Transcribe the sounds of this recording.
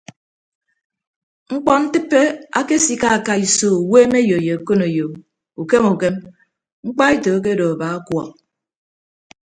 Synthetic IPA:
ŋ͡m̩˦k͡pɔ˦n̩˦tɨ˦pːe˦a˦ke˦si˦ka˦a˨ka˦i˨so˨weː˦me˦jo˨je˨ko˦no˨jo˨ | u˨ke˦mu˨ke˦m | ŋ͡m̩˦k͡pa˦e˦to˨˦k̬e˦do˨a˨ba˨˦a˦kwɔ˨

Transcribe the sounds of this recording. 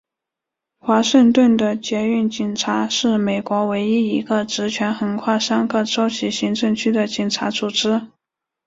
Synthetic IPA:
xwa˧˥ʂə˥˧ŋt̪wə˥˩nd̪ə˩t͡ɕjɛ˧˥y˥˩nt͡ɕi˨˩nʈ͡ʂʰa˧˥ʂɻ̩˥˩me˨˩ɪkwɔ˧˥we˧˥ɪi˥i˧˥ɡə˧ʈ͡ʂɻ̩˧˥t͡ɕʰɥɛ˧˥nxə˧˥nkʰwa˥˩ʂa˥nkʰɤ˥˩ʈ͡ʂo˥ʊt͡ɕʰi˧˥ɕi˧˥ŋʈ͡ʂɤ˥˩˧ŋt͡ɕʰy˥d̪ə˨t͡ɕi˨˩ŋʈ͡ʂʰa˧˥t͡su˨˩ʈ͡ʂɻ̩˥

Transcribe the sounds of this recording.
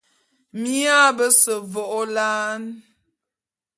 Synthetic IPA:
mi˦a˦bə˦sə˨vɔ˨ʔo˦la˦n

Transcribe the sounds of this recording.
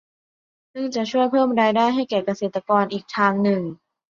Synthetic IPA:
sɯ˥˩ŋt͡ɕa˨˩t͡ɕʰu˥˩əjpʰɤː˥˩mdaː˧˩jdaː˥˩jɦa˥˩jkɛː˨˩ka˧seː˨˩t̪ːa˧kɔː˧nʔiː˨˩k̚t̪ʰaː˧ŋnɯ˨˩ŋ

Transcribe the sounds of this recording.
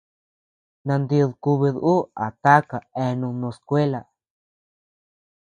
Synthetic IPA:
nã˧nd̪i˧ðku˧βi˧ðʔu˦a˨t̪a˦ka˨ẽ˧nũ˧nõ˧skʷe˦la˨

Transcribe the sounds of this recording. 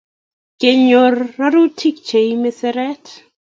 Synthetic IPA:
ke˨ɲo˨rːa˦ɾu˦tʰi˦k̚t͡ʃe˨jme˦sɛ˦ɾɛ˦t

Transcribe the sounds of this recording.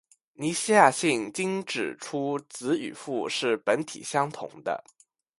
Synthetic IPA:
ni˧˥ɕi˥ja˥˧ɕi˥˩ŋt͡ɕi˥ŋʈ͡ʂɻ̩˨˩ʈ͡ʂʰu˥t͡sɹ̩˧˥y̰˨˩fu˥˧ʂɻ̩˥˩pə˧˥nt̪ʰḭ˨˩ɕjɑ˥ŋt̪ʰʊ̰˨˩˦ŋd̪ə̰˦

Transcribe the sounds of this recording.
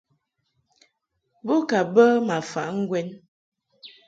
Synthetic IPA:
bo˦ka˨bə˦ma˨fa̰˨ʔŋ̩˦ɡwɛ˦n

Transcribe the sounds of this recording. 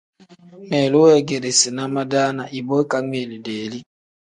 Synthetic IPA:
nɛ˨lu˦wɛ˦ɡe˨ɾe˨si˨na˦ma˦daː˦na˨ʔi˨bo˦ka˦ŋe˨li˨de˨li˦

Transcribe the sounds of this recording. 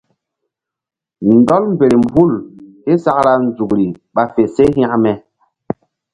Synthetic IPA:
n˨dɔ˦lm̩˨be˨ɾi˨m̩˨bu˦˨lhe˦sa˦kɾa˦n˨d͡zu˨kɾi˨ɓa˨fe˨se˦ɦĩ˦a˦mɛ˨

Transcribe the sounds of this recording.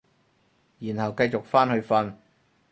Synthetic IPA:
jiː˨˩nhɐ˨wkɐ˧jt͡sʊ˨k̚faː˥nhɵ˧ɥfɐ˧n

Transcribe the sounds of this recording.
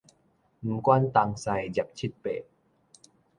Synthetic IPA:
mɯ˨˦mkwa˥˨nt̪a˧˩ŋsa˧jd͡ʑa˨˩p̚t͡ɕʰi˦˥t̪̚pḛː˨˩t̪̚

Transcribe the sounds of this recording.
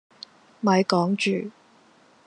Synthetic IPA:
mɐ˨˧jkɔː˨˥ŋt͡ʃyː˨˩

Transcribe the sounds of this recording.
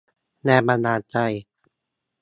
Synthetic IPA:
nɛː˧˩ba˧naː˧t͡ɕa˧j

